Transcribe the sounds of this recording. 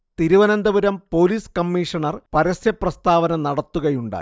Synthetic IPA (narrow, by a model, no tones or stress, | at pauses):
t̪iɾuʋɐnɐnd̪ɐʋuɾɐmpo̞ːliːskɐmːiːʂɐɳɐrpɐɾɐsjɐprɐst̪aːʋɐnɐnɐɽɐt̪ːuɣɐjuɳɖa̰ː